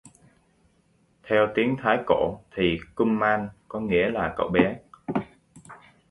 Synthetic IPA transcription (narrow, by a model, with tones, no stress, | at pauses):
t̪ʰɛ˧wt̪i˨˦əŋt̪ʰaː˨˦jko̰˧˩˨t̪ʰi˨˩kʊ˧ŋ͡mmaː˧nkɔ˨˦ŋḭ˧˥əlaː˨˩kə̰˧˩wɓɛ˨˦